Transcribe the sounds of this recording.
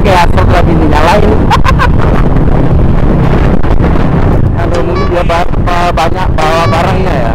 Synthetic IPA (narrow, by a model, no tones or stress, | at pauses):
kajasɔslabiniɲalaɪn | kalonumudiaba | abaɲak̚bawabaɾaŋɲaja̰